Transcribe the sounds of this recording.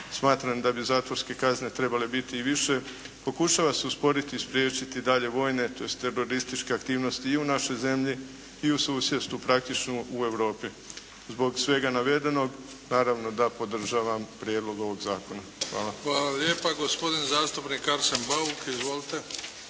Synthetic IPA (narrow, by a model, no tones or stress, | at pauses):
smaːt̪ɾamd̪abizaːt̪ʋo̞ɾske̞kazne̞t̪ɾe̞bale̞bit̪iːʋiʃe̞ | po̞kuʃaʋase̞uspo̞ɾit̪iːspɾʲjeːt͡ʃit̪id̪aʎe̞ʋo̞ːjne̞t̪o̞jest̪ːe̞ɾo̞ɾist̪it͡ʃke̞akt̪iːʋno̞st̪iːunaʃo̞jze̞mʎi | iusuːsjest̪upɾak̚t̪it͡ʃnuue̞wɾo̞ːpi | zbo̞ɡsʋe̞ɡanaʋe̞d̪e̞no̞ɡ | naːɾaʋno̞d̪apo̞d̪r̩ʒaːʋampɾʲjed̪lˠo̞ɡo̞ʋo̞ɡzaːko̞naxʋaːlaʋaːlaljeːpaɡospo̞d̪inzaːst̪upnikaɾsenbaukizʋolit̪e